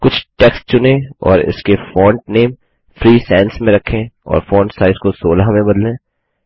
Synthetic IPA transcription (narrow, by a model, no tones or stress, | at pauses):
kʊt͡ʃʰʈɛksʈ̚t͡ʃʊnẽɔ̰ːɾɪ̰skefɔːɳʈ̚neːm | fɾiːsɛ̃ːnsmẽɾɐkʰːẽɔ̰ːɾfɔ̃ːɳʈsaːɪzkosoːlaɦmẽbɐd̪lẽː